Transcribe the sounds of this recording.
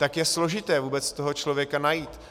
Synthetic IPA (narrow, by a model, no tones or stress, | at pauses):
t̪akjɛslo̞ʒɪt̪ɛːvuːbɛt͡st̪o̞ɦo̞t͡ʃlo̞vjɛkanajiːt̪